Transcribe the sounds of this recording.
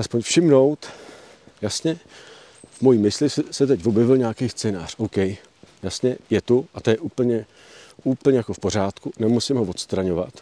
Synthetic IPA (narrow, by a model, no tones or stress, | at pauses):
ʔaspoɲfʃɪmno̞wt̪ | jasɲɛ | vmo̞jiːmɪslɪssɛt̪ɛcvo̞bjɛvɪlɲaːkeːst͡sɛːna̰ːr̝̥owkɛj | jasɲɛjɛt̪uʔat̪ojɛʔuːpl̩ɲɛ | uːpl̩ɲɛjakofpo̞r̝aːt̪kunɛmusɪmɦovo̞t̪st̪ɾaɲo̞va̰t̪